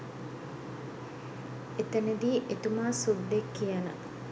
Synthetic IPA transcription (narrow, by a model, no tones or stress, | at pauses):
et̪ɐned̪iːʔet̪umaːsud̪ːekːijɐnə̰